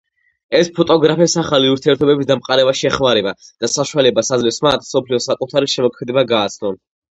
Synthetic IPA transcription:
ɛspʰɔt̪ʼɔɡɾapʰɛsaχaliuɾt̪ʰiɛɾt̪ʰɔbɛbisd̪amqʼaɾɛbaʃiɛχmaɾɛbad̪̥asaʃualɛbasadzlɛsmat̪ʰsɔpʰliɔsakʼut̪ʰaɾiʃɛmɔkʰmɛd̪ɛbaɡaːt̪sʰnɔn

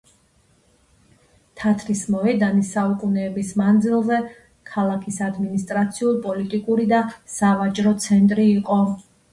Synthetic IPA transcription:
t̪ʰat̪ʰɾismɔɛd̪anisaukʼunɛːbismand̪zilˠzɛ | kʰalˠakʰisad̪minist̪ʼɾat̪sʰiulˠpʼɔlit̪ʼikʼuɾid̪asavat͡ʃʼɾɔt̪sʰɛnt̪ʼɾiːqʼɔ

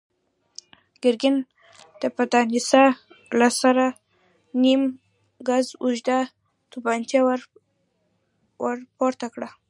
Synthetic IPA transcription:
ɡ̥ɪɾɡɪn | d̪̥əpad̪ɑnisa | lasaɾa | nim | ɡazuʒd̪a | t̪ubɑnt̪jaw | waɾpoɾt̪akɽa

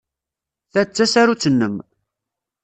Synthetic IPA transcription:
θæt͡sːæsaɾut͡sːənːəm

